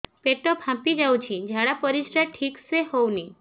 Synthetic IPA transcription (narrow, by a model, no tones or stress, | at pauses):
peʈopʰãpid͡ʒaw̃t͡ʃʰĩd͡ʒʱaɽapəɾiʃɾaʈʰikseɦowni